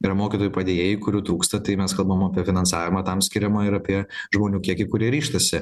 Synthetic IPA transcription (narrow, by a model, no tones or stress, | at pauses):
iːɾɐmoːkʲɪt̪oːjupɐd̪ʲeːjeːjʊkʊɾʲuːt̪ɾuːkst̪ɐt̪ɐɪmʲɛskɐlˠbɐʋomɐpʲiɛfʲɪnɐnsɑːʋʲɪmɐt̪ɐmsʲkʲɪɾʲɛmɐɪɾɐpʲiɛʒmoːnʲuːkʲiɛkʲɪkʊɾʲiɛɾʲiːʃt̪ɐsʲɪ